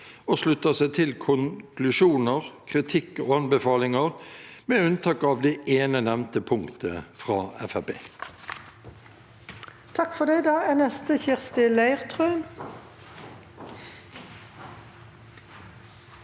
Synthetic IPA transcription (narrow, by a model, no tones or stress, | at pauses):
oːslʉt̪ːəsæɪt̪ʰɪlkʰʊŋkʰlʉʃuːnəʁkʰʁɪt̪ʰɪkːoːɑnbəfɑːlɪŋəʁmeːʉnt̪ʰɑːkɑːʋd̪ɛːeːnənɛmnt̪əpʰʊŋkt̪ʰə̰fʁɑːɛ̰fæbḛː | t̪ʰɑkfɔd̪ɛɪd̪ɑːænɛst̪əçɪʁst̪ɪlæɪʁt̪ʰʁœːn